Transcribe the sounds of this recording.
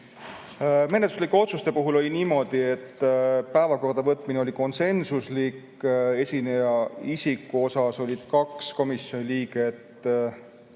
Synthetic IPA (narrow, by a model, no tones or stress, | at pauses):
me̞net̪ːuslikːˑeo̞t̪sust̪e̞puɦulo̞lʲiniːmo̞d̪̥ie̞t̪ːpæevɑko̞rd̪ɑvɤt̪ːˑmineo̞lʲiko̞nse̞nsuslik | e̞sʲinejɑisʲikːuo̞sɑso̞lʲid̪̥kɑksko̞misjo̞nʲiliːɡ̥et̪ː